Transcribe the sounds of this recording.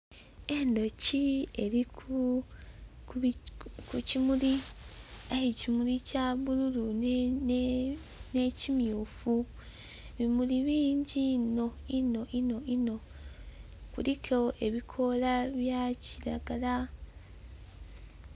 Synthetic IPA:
e̞ndo̞cie̞ɾiku | kucimuɾi | ahicimuɾicaβuɾuɾun | necimjufu | βimuɾiβiːɲɟinoino̞ʔino̞ino̞ | kuɾikʰeʔe̞βikʰolaβjaciɾaɡaɾa

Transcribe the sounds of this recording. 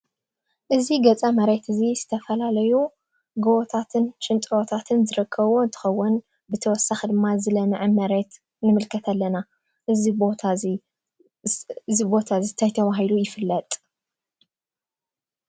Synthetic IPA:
ʔɨziɡɐt͡sʼamɐɾe̞t̪ɨzizɨt̪ʰɐfɐlalɐju | ɡɐʔɔt̪ʰat̪ʰɨnʃɨnt̪ʼwot̪ʰat̪ʰɨnzɨɾɨkʰːɐβont̪ʰɨ̥xɐwːʊn | bɨt̪ʰɐwɔsːaxid̪ɨmːazɨlɐmɨʕɨmɐɾe̞t̪ | nɨmɨlkʰɐt̪ʰalːɐna | ʔɨzibot̪ʰa | ɨzibo̞t̪ʰazɨt̪ʰajt̪ʰɐβaɦilujɪfɨlːɐt̪ʼ

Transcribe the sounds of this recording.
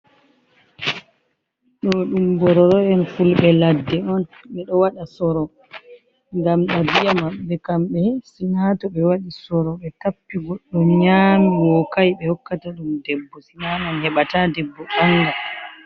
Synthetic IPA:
ɗɔɗumbɔɾɔɾɔɔnfulɓɛladːɛɔn | ɓɛɗɔwaɗasɔɾɔ | ŋɡamɗadijamaɓːɛkamɓɛsɛnatɔɓɛwaɗisɔɾɔɓɛtapːiɡɔɗːɔmɲaːmiwɔkajɓɛhɔkːataɗumdɛbːɔsinamanhɛɓatadɛbːɔɓaŋɡa

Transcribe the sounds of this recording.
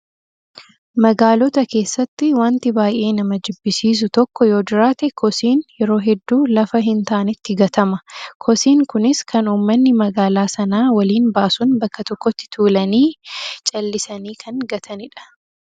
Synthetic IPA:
mɐɡaːlɔt̪ɐke̞ːsːɐt̪ːɪwɐnt̪ɪbaːjʔe̞ːnɐmɐd͡ʒɪbːɪsiːs̬ʊt̪ɔkːɔjo̞ːd͡ʒɪɾaːt̪ɛkʰɔsiːnjɛɾo̞ːɦɛd̪ːuːlɐfɐɦɪnt̪aːnɪt̪ːɪɡɐt̪ɐmɐkʰɔsiːŋkʊnɪskʰɐnuːmːɐnːɪmɐɡaːlaːsɐnaːwɐliːnbaːsʊnbɐkːɐt̪ɔkːɔt̪ːɪ̥t̪ʰuːlɐniːt͡ʃʼɐlːɪsɐniːkʰɐŋɡɐt̪ʰɐnɪᶑɐ̥

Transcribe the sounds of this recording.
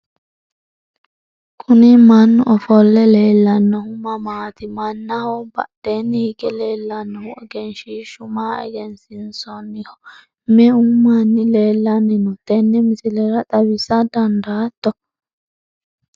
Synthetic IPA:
kʰʼʊnɪmɐnːʊʔɔfɔlːɛle̞ːlːɐnːɔhʊmɐmaːt̪ɪmɐnːɐhɔbɐ̰d̪̥enːɪhɪɡɛleːlːɐnːɔhʊɛɡɛnʃiːʃʊmaːɛ̰ɡɛnsɪnsɔnːɪhɔ | mɛʊmːanːɪleːlːɐnːɪnʊt̪ɛnːɛmɪsɪlɛɾɐt̪ʼɐbɪsɐd̪ɐnd̪ɐːt̪ːɔ

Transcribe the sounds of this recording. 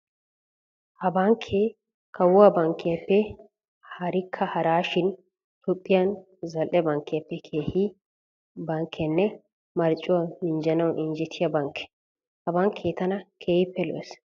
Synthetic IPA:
hɐbɐŋkʰːe | kʰɐwʊɐbɐŋkːɪjɐpːɛ | hɐɾɪkʰːɐhɐɾaːʃɪn | t̪ʊpʼːɪjɐn | zɐlʔɛbɐŋkːɪjɐpːɛkʰeːhi | bɐŋkʰːɛnːɛ | mɐɾt͡ʃʼːʊwamɪnd͡ʒɐnɐwʔɪnd͡ʒɛt̪ʰɪjɐbɐŋkʰːɛ̥ | hɐbɐŋkʰeːt̪ɐnɐkʰeːjɪpːɛlɔ̰ʔɛs

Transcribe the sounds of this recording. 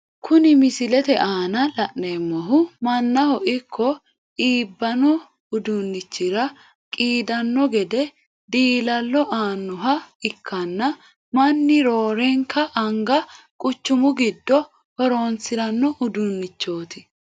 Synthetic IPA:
kʰʊnɪmɪsɪlɛt̪ɛʔaːnɐlɐʔneːmːɔɦʊmɐnːɐhɔʔɪkʰːɔ | iːbːɐnɔ | ʊd̪ʊnːɪt͡ʃːɪɾɐ | kʼiːd̪ɐnːɔɡɛd̪ɛ | d̪iːlɐlːɔʔaːnːʊɦɐɪkʰːɐnːɐ | mɐnːɪɾo̞ːɾɛŋkʰːɐʔɐŋɡɐ | kʼʊt͡ʃːʊmʊɡɪd̪ːɔ | hɔɾo̞ːnt͡sːɪɾɐnːɔʔʊd̪ʊnːɪt͡ʃːo̞ːt̪ɪ

